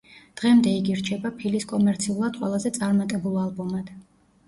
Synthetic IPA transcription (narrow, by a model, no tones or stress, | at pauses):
d̪̥ʁɛmd̪ɛiɡiɾt͡ʃʰɛbapʰiliskʼɔmɛɾt̪sʰiulˠad̪qʼwɛlˠazɛt̪sʼaɾmat̪ʼɛbulˠalˠbɔmad̪̥